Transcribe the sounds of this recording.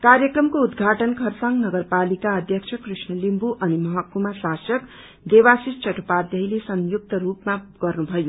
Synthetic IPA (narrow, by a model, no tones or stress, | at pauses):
karjʌkrʌmkoud̪ɡʱaʈʌnkʰʌrsaŋɡnʌɡʌrpalikaʌd̪ʱjʌkt͡sʰʌkrisnʌlimbuʔʌnimʌɦakːumasasʌk | d̪ewasist͡ʃʌʈpad̪jʌɦilesʌŋjuk̚t̪ʌɾupmaɡ̥ʌrnubʱʌjo